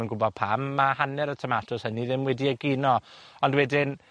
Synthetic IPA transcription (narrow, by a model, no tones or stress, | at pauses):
ənɡʊbɔð̥̚pʰamːahanɛɾətʰəmatʰʊshəniðɪmwɛdiəɡɪnɔɔndwɛdɪn